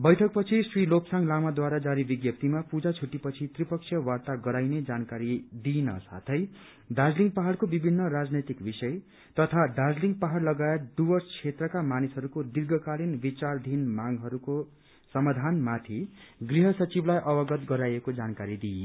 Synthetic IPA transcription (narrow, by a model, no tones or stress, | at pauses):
bʌjʈʰʌk̚pʌt͡sʰisrilopsaŋɡlamad̪waɾad͡zaɾibiɡjʌp̚t̪imapud͡zat͡sʰuʈːipʌt͡sʰit̪ripʌksʰjʌwart̪aɡʌɾajned͡zankaɾid̪inʌ̰sa̰t̪ʰʌj | ɖad͡zliŋɡ̚paɦaɽkobibʱinːʌrad͡znet̪ikbisʌj | t̪ʌt̪ʰaɖad͡zliŋɡpaɦaɽlʌɡaet̪̚d̪ubʌst͡sʰet̪rʌkamanisɦʌɾukod̪irɡʱʌkalinbit͡sard̪ʱinmaŋɡɦʌɾuko | sʌmad̪ʱanmat̪ʰiɡriɦʌsʌt͡siblajʔʌbʌɡʌt̪ɡʌɾajekod͡zankaɾid̪i